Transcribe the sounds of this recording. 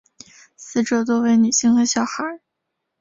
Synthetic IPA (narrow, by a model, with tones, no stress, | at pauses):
sɹ̩˥˩ʈ͡ʂɤ˧˥˩t̪̬wɔ˥ʊwe˥˩ɪny˨˩ɕi˥ŋxe˧˥ɕjɑ˨˩ʊxa˧˥